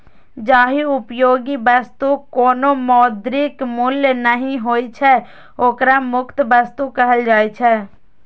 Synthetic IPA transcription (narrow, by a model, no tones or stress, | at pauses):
d͡ʒaːɦiʊpjoːɡibɐst̪ukoːnõmɔːd̪ɾɪkmʊljnəɦĩɦoːit͡ʃʰɛ | oːkɾamʊkt̪bəst̪ukɐɦəld͡ʒaːit͡ʃʰɛː